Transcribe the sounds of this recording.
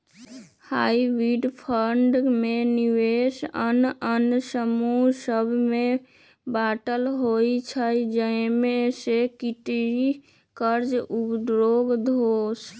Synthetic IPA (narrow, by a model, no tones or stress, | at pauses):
haːiʋiɖpʰəɳɖmẽniʋeːsənənsəmusəbʱmẽ | baːʈəlɦoit͡ʃʰəid͡ʒəɪmẽsekiʈi | kəɾd͡ʒupd̪ɾoːɡd̪ʱoːs